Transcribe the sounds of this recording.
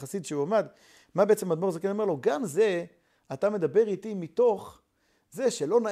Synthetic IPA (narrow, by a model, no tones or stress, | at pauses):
asid̪ʃeuamad̪ | mabeet͡semad̪moʁzekenomeʁlo̞ɡamze̞ | at̪ame̞d̪abe̞ʁit̪imit̪o̞χ | ze̞ʃelo̞na